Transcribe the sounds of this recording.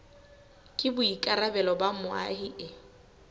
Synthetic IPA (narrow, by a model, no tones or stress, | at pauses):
kʼɪbʊikʼaɾabɛlɔbamʊa̰ɦiʔɪ